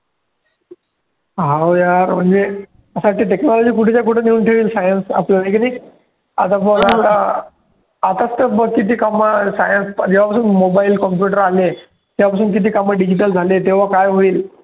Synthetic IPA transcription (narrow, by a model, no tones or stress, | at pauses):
ɦawjaɾm̤əɳd͡ze | əsaʈiʈeknɔlɔd͡ʑiːkuʈʰit͡ɕjakuʈʰeniuːnʈʰeʋiːlsajənsa̰plənajkini | a̰t̪ãpəɾat̪a | at̪ast̪əbəkit̪iːkamasa̰jənspd͡ʑeʋapasuːnmobailkɔmpjuʈəɾale | t̪japasuːnkit̪̬ʰiːkaməɖid͡ʑiʈəld͡zʱalet̪eʋ̤akajɦoiːl